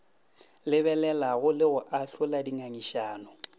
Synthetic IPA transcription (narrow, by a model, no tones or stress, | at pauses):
lɪβɛlɛlaɣʊlɪɣʊʔaɬʊladiŋaŋiʃaːnʊ